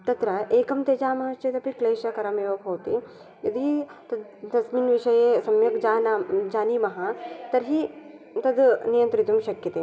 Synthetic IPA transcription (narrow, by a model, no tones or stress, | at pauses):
t̪ɐt̪ɾɐʔeːkɐmt̪eːd͡ʒaːmɐɦɐʃt͡ʃet̪ɐpikleːʃɐkɐɾɐmeːʋɐpɦoːt̪i | jɐd̪ʱit̪ɐd̪d̪ɐsminʋiʃɐjesɐmjɐkd͡ʒaːnad͡ʒaːnimɐɦɐt̪ɐɾɦi | t̪ɐd̪nijɐnt̪ɾit̪umʃɐkjɐt̪i